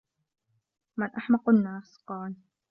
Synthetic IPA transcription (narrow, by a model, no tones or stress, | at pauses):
mɪnʔaħmɑqanːaːsqɑːl